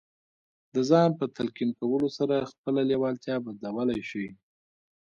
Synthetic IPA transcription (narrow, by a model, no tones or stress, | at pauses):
d̪əzɑnpət̪alkinkawəlosaɾaxpəlalewɑlt̪jɑbad̪lawəlajʃi